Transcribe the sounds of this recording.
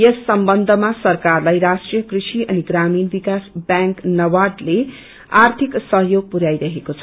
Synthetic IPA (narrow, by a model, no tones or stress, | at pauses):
jʌsːʌmbʌnd̪ʱʌmasʌrkarlajɾasʈrijʌkrisiʔʌniɡɾaminbikasbjãŋknʌwaɖle | art̪ʰiksʌɦjoɡ̚puɾajɾʌɦekot͡sʰʌ